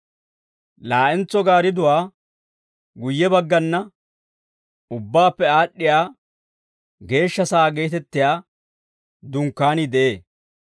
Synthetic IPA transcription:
laːʔɛnt͡sɔɡaːɾɪd̪ʊwaː | ɡʊjːɛbɐɡːɐnːɐ | ʊbːaːpːɛaːɗːɪjaː | ɡe̞ːʃːɐsaːɡe̞ːt̪ɛt̪ːɪjaː | d̪ʊŋkːaːnɪd̪ɛʔeː

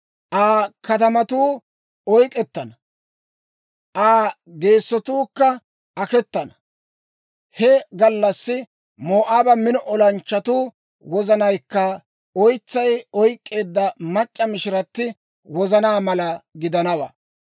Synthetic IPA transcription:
ʔaːkɐt̪ɐmɐt̪uː | ɔjkʼɛt̪ːɐnɐ | ʔaː | ɡe̞ːsːɔt̪uːkːɐ | ʔɐkɛt̪ːɐnɐ | hɛɡɐlːɐsːɪ | moːʔaːbɐmɪnɔʔɔlɐnt͡ʃːɐt̪uː | wɔzɐnɐjkːɐ | ɔjt͡sːɐjɔjkʼːe̞ːd̪ːɐmɐt͡ʃʼːɐmɪʃɪɾɐt̪ːɪ | wɔzɐnaːmɐlɐɡɪd̪ɐnɐwɐ̰

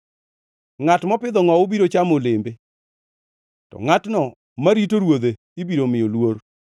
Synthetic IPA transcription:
ŋatmɔpɪd̪ɔŋɔobiɾot͡ʃamolɪmbe | tɔ̰ŋatnɔ | maɾitoɾwod̪e | ibiɾomɪolwoɾ

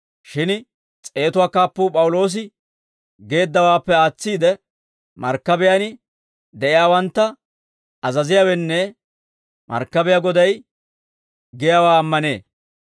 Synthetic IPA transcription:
ʃɪn | t͡sʼe̞ːt̪ʊwaːkaːpːʊːpʼɐwʊlo̞ːs̬ɪ | ɡe̞ːd̪ːɐwaːpːɛaːt͡sːiːd̪ɛ | mɐ̰ɾkːɐbɪjanɪ | d̪ɛʔɪjaːwɐnt̪ːɐ | ɐzɐzɪjawɛnːɛ | mɐ̰ɾkːɐbɪjaɡɔd̪ɐj | ɡɪjawaːɐmːɐne̞̰ː

